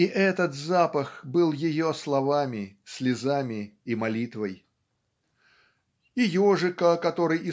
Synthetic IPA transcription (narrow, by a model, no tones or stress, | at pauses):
iʔɛt̪ət̪zapəxbɨlˠjɪjoslˠɐvamʲɪsʲlʲɪzamʲɪːmɐlʲit̪vəj | ɪjoʐɨkəkɐt̪o̞ɾɨjɪ